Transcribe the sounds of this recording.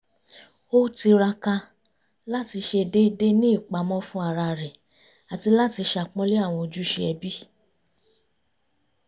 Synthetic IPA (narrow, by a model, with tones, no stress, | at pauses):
o˦ti˧ɾa˧ka˧ | la˦ti˧ʃe˧˨de˦i˧de˦nĩ˦i˦˨k͡pa˨˦mɔ̃˦fũ˦a˦˨ɾa˧˨ɾɛ˨ | a˨ti˧la˦ti˧ʃa˨k͡pɔ̃˦le˦a˦˨w̃ɔ̃˧o˧d͡ʒu˦ʃe˧ɛ˧bi˦